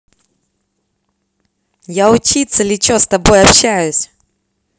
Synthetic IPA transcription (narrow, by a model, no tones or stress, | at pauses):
jaʊt͡ɕit̪səlʲɪt͡ɕost̪ɐbo̞jɐpɕæjʊsʲ